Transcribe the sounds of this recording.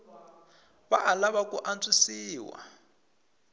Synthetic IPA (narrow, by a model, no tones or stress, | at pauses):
βa̰ʔalaβakʼuʔant͡sʼisiːwa̰